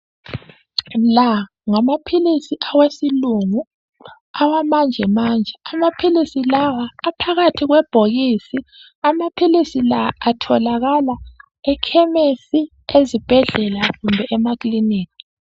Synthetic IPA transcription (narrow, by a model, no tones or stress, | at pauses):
la | ŋamapʰilisiʔawesiluŋu | awamand͡ʒʱɛmaːnd͡ʒʱɛamapʰilisilawaːpʰaɣatʰiɣwɛb̥ʱoɣisi | amapʰilisilaːtʰɔlaɣala | ɛkʰɛmesi | ezib̥ʱɛɮɛlaɣumbʱɛʔɛmakʼliniːkʰi̥